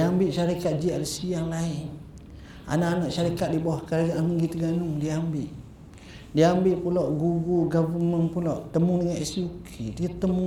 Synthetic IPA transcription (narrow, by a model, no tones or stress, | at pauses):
diambɪʔʃaɾikat̪̚d͡ʒiaʔɾəsijaŋlaɪn | a̰naʔanaʔʃaɾikat̪̚dibawahkalɡaʔaiɡit̪əɡanʊŋdiəambɪʔ | diəambɪʔpulaʔɡuɡuɡabumənpulaʔt̪əmuŋdəŋaʔɛsiukʰidiat̪ːəmu